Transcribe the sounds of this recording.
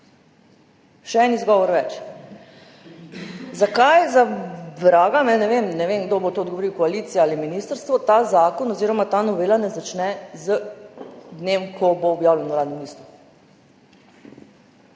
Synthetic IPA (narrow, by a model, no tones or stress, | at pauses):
ʃɛɛːnizɡɔʋɔɾʋɛt͡ʃ | zakajzabɾaːɡamɛnɛʋeːmnɛʋenɡd̪obot̪oːd̪ɡoʋoɾiwkɔalit̪siaaliminist̪əɾst̪ʋɔt̪aːzaːkɔnɔziːɾɔmat̪aːnɔʋeːlanɛzat͡ʃnɛzə | d̪neːmkʰɔboːbjaːwlʲɛnuɾaːd̪nɛmlist̪u